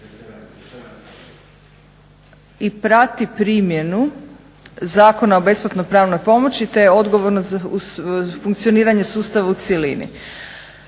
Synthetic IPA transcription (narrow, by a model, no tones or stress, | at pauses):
ipɾat̪ipɾiːmje̞nu | zaːko̞naobe̞splat̪nojpɾaːʋno̞jpo̞mo̞t͡ɕit̪e̞o̞d̪ɡo̞ʋo̞ɾnoza | fuŋkt̪sio̞niːɾaɲe̞suːst̪aʋaut̪sjelḭnḭ